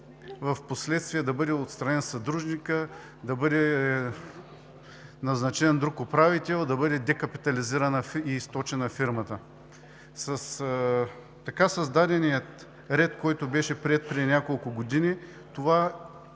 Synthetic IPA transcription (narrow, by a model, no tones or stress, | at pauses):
vɐfposlɛt̪st̪vijɛd̪ɐbɤd̪ɛot̪st̪ɾɐnɛnsɐd̪ɾuʒnikə | d̪ɐbɤd̪ɛ | nɐznɐt͡ʃɛnd̪ɾukʊpɾavit̪ɛlˠd̪ɐbɤd̪ɛd̪ɛkɐpi̥t̪ɐliziɾɐnɐiːst̪ɔt͡ʃɛnɐfiɾmɐt̪ə | sɐs | t̪ːɐkasɐzd̪ad̪ɛnijət̪ | ɾɛt̪kɔjt̪ʊbɛʃɛpɾiɛt̪̚pɾɛinʲjakolˠkʊɡod̪ini | t̪ova